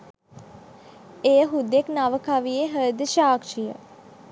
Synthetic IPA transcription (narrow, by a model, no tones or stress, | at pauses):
ejəɦud̪eknaʋəkaʋieɦəd̪əʃaːkʃijə̰